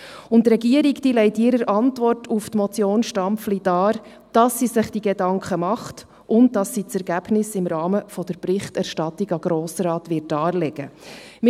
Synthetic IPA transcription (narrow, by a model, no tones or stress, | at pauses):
ʊntːɾɛɡiəɾikd̥iːlɛɪtɪɾəɾʔɑntʋɔrtʰuftmɔt͡sjoːnʃtɑmpflid̥ɑːɾ | d̥ɑsːisɪχd̥iɡedɑŋkʰχəmɑχt | ʔʊnt̚dɑsːit͡sɛɾɡæb̥nɪsɪmɾɑːməfɔd̥̪əɾpɾɪχtæɾʃtɑt̪iɡɑɡ̥ɾoːsəɾɑːt̪ʋɪt̚dɑːɾlɛɡ̥əm